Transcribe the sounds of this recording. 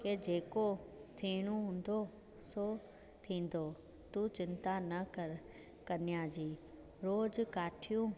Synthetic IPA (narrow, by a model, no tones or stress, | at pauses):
ked͡ʑeːkot̪ʰiːɽ̃ũɦũːn̆d̪o | so | t̪ʰĩːn̆d̪o | t̪ut͡ɕɪnt̪anɐk | kɐnijad͡ʑiː | ɾoːd͡ʑkaːʈʰijũː